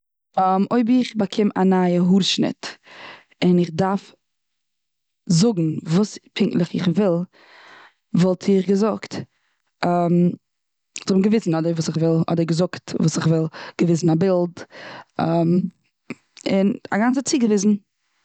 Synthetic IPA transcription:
moɪbɪχbakʰɪmanaəɦuɾʃnɪ̰t | ɪnɪχdaɾf | zʊɡŋ̩vuːspʰɪŋklˠɪχɪ̰χvɪlˠ | vɔlˠtʰɪχɡəzʊktː | m | tɔbm̩ɡəvɪsn̩ɔdəɾvuːsɪχvɪlˠɔ̰deɡəzʊktvuːsɪχvɪlˠɡ̥əvɪsn̩abɪlˠdɔm | ɪna̰ɡant͡sət͡siːɡəvɪzn̩

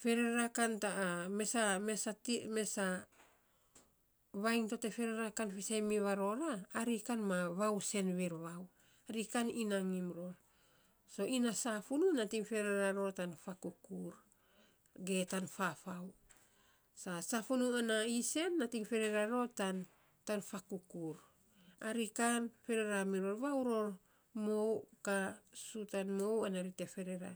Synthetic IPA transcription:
fe̞ɾe̞ɾakantame̞samesatime̞sa | βajŋto̞te̞fe̞ɾeɾakanfisajmiβaɾo̞ɾaːɾikanmaβawse̞nβeɾβaw | aɾikaninaŋimɾo̞l | so̞inasafununatiŋfe̞ɾeɾaɾo̞tanfakukuɾ | ɡe̞tanfafaw | sasafunuanaise̞nːatiŋfe̞ɾe̞ɾaɾo̞tan | tanfakukuɾ | aɾikanfe̞ɾe̞ɾamiɾo̞ɾβawɾo̞ɾ | mo̞wkasutanmo̞wanaɾite̞fe̞ɾe̞ɾa̰

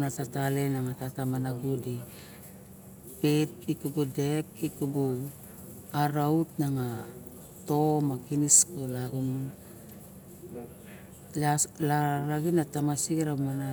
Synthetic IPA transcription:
natatalenaŋatatamanaɡudi | pet̚ikubudekikubu | aɾautnaŋa | to̞makiniskolaɡum | lalaɾaɡinatamasiɾamana

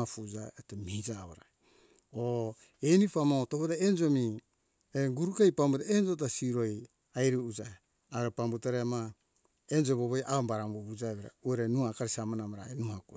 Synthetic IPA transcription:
afud͡ʒaetemiid͡ʒaβoɾa | o | enifamotopotaend͡ʒo̞mi | eŋɡuɾukajpambutaend͡ʒot̬asiɾoj | ajɾiud͡ʒae | aβeɾepambutaɾeama | end͡ʒoβoβojʔaombaɾamoβud͡ʒaβeɾa̰ueɾenuakaɾisamanamaɾaenuhaku

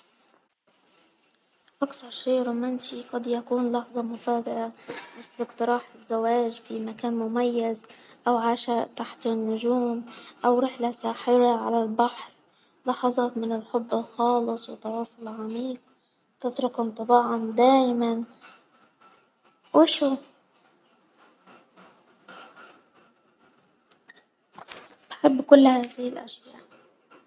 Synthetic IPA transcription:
ʔaksɑɾˤʃeːʔɾoːmansiqɑd̪jakuːnlɑħzˤɑmʊfaːd̪ɪʔamɪsbɪkt̪ɨɾˤɑːħɪzːawaːʒfimakaːnmʊmajːazʔawʕaːʃaʔt̪aħt̪ɪnːʊʒuːmʔawɾɪħlasaːħɪɾaʕa̰lalbaħɾ | lɑħɑzˤɑːt̪mɪnɪlħʊbːɪlxɑːlɨsˤwɪt̪ːɑwɑːsˤʊlʕamiːq̚ | t̪ɪt̪ɾʊkʊnt̪ˤɑbɑːʕɑnd̪aːjman | wɪʃuː | b̥ħɪbːkʊlːhaːzɪhɪlʔa̰ʃja̰ːʔ

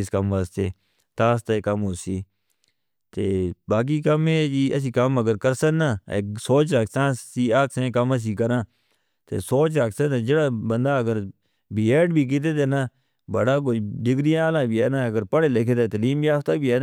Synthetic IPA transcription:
skəməst̪eː | t̪aːst̪aeːkəmɦoːsiː | t̪eːbaːk̬iːkəmẽːd͡ʒiːʔəs̬iːkəməɡəɾkəɾsənːaːḛsoːt͡ʃɾaːksãːsiːaːksẽːkəməs̬iːkəɾãː | t̪ḛːsoːt͡ʃaːksəẽːd͡ʒɪɽaːbənd̪aːəɡəɾ | biːeːɖbʱiːk̬it̪eːt̪eːnaː | bəɽaːk̬oiɖɪɡɾɪjãaːlãːbʱiːɛːnãːəɡəɾpəɽeːlekʰeːt̪eːt̪əliːmiaːft̪aːbʱiːɛːnː

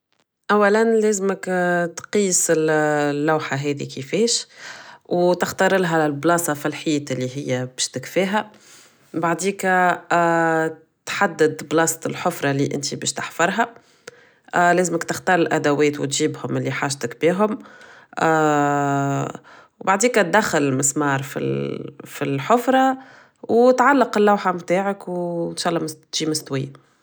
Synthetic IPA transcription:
ʔæwːælænlɛːzɪməkt̪qiːsɪllːawħaɦɛːd̪ḭkifɛːʃ | wt̪ɪxt̪ɑɾˤɪlɦæɪlblɑːsɑfilħiːt̪ɪlːiɦɪjːæbɛːʃt̪ɪkfiːɦæ | baʕd̪iːkː | t̪ħad̪ːɪd̪blɑːst̪ɪlħʊfɾˤɑliʔɪ̰nt̪ibɛːʃt̪aħfɑɾˤɦa | ʔlɛːzɪməkt̪ɪxt̪ɑːɾˤɪlʔæd̪æwɛːt̪wt̪ʒiːbhʊmɪlːiħaːʒt̪ɪkbiːɦʊm | wbaʕd̪iːkæt̪̚d̪æxːɪlɪlmɪsmɑːɾˤfḭlfilħʊfɾˤɑ | wt̪ʕalːəqɪlːawħamt̪aːʕəkwɪnʃɑːʔlˤːɑːmt̪ʒiːmɪst̪wɪjːa

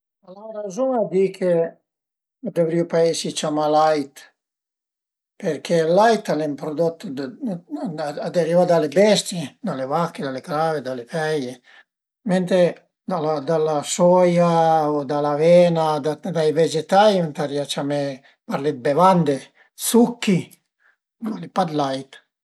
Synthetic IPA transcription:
alaɾazɔad̪ikʰe | d̪ovɾiupaesit͡ʃamalajt̪ | peɾkʰelajt̪alɛmpɾod̪ɔt̪ː | ad̪arivad̪alebɛst̪jed̪alevakːed̪alekɾaved̪alefɛje | ment̪e | d̪alad̪alasɔjaod̪alavɛnad̪ad̪ajvɛd͡ʒet̪ajunt̪ariat͡ʃame | paɾlet̪̚bevand̪e | sukːi | alipad̪lajt̪

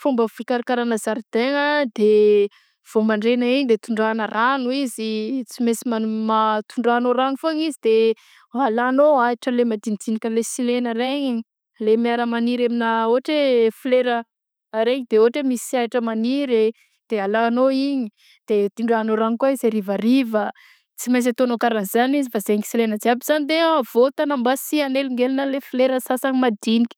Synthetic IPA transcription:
fumbəfikaɾakaɾanəzaɾd̪eŋəd̪e | v̥omaɳɖ͡ʐenəiɲid̪et̪uɳɖ͡ʐanəranuizit͡simesimamat̪uɳɖ͡ʐaːnoɾaŋifaɲizid̪̥e | alanoaiʈ͡ʂəlemad̪ind̪inikʲəlesilenəɾeɲi | lemiaɾəmaniɾeminəoaʈ͡ʂefleɾəː | ɾeɲid̪̥eoaʈ͡ʂemisiaʈ͡ʂəmaniɾe | d̪̥ealaːnoiɲi | d̪̥ed̪̥iɳɖ͡ʐaanoɾaŋkwaizeɾivarivə | t͡simajs̬at̪onokaɾanizanizifazeŋi̥silenəd͡ziabiz̥anid̪eav̥ot̪anambasianeliŋɡelinəlefileɾəsasaɲimad̪inikʲə̥

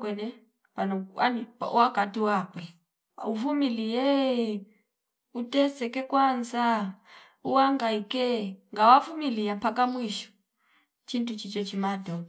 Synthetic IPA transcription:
kwɛnɛ | panɔa̰nipa̰wakatiwakwɛ | uvumilijɛ | utɛsɛkɛkwanza | uwaŋɡaikɛŋɡawavumilijapakamwiʃu̥ | t͡ʃintut͡ʃit͡ʃɔt͡ʃimatɔ

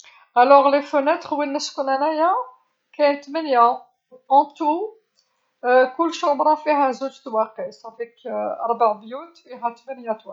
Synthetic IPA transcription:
ʔælɔʁlefənæt̪χwinːəskunænæja | kæjnt̪mənja | ʔɑ̃t̪u | kʊlːʃɑbɾˤɑfiɦæzud͡ʒt̪wæqisæfikɑ̰ɾˤbaʕbjut̪fiɦæt̪mænjæt̪wæ

